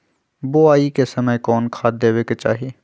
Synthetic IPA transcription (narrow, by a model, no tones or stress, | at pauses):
boaːikesəməjkɔːnkʰaːt̪̚d̪eːweket͡ʃa̰ːɦieː